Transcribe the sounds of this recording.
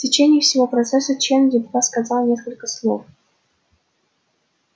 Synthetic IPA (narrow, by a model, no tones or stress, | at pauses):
tʲɪt͡ɕenʲɪjəfsʲɪvopɾɐt̪sɛsət͡ɕend̪ʲɪp̪kat̪skɐzɑlˠnʲeskəlʲkəslˠo̰f